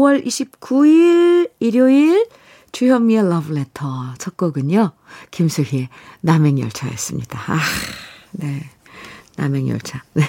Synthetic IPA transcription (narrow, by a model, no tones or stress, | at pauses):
owʌɾʔiɕʰip̚k͈uiɭiɾjoil | t͡ɕujʌmielʌble̞tʰʌt͡ɕʰʌk̚k͈ʌɡɯɲokimsʰuɦienameŋjʌɭt͡ɕʰajḛs͈ɯmɲid̥aa | ne̞ | na̰meŋjʌ̰ɭt͡ɕʰane